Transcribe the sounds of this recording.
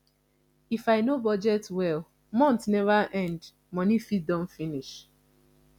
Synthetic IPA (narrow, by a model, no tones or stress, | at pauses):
ifaɪnobɔd͡ʒɛtwɛl | mɔ̃ntnɛvaʔɛ̃nd | mɔnifit̚dɔ̃m̩finiʃ